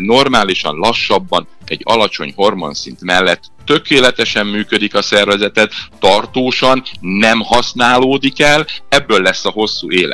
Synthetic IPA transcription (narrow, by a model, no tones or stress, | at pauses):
no̞rmaːliʃɒ̰nlɒʃːɒbːɒn | ɛ̰ɟːɒ̰lɒt͡ʃo̞̰ɲho̞rmo̞̰nsint̪mɛlːɛt̪ːø̞keːlɛt̪ɛʃɛmːyːkød̪ikɒsɛrvɛzɛt̪ɛt̪ːɒrt̪oːʃɒnːɛmhɒsnaːloːd̪ikɛlɛbːøːlːɛsːɒɦo̞sːuːeːlɛ̰